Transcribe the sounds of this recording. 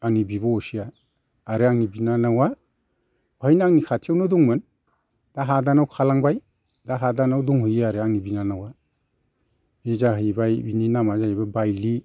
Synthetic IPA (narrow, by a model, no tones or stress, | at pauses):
aŋnibibaɔsiaː | ɾeaŋnibinanawa | hajnaaŋnikʰatʰewnɔduŋmɯn | d̥aɦadanawkʰalaŋbaj | daɦadanawduŋhujaɾeaŋnibinanawa | ezaɦajbajbininamazaɦijbabajli